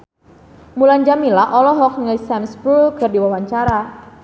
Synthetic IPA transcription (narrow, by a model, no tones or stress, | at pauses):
mulaɲd͡ʒamilaʔɔlɔɦɔk̚ŋlisɛmsbɾulɡ̥ə̤rdiwawaɲt͡ʃaɾa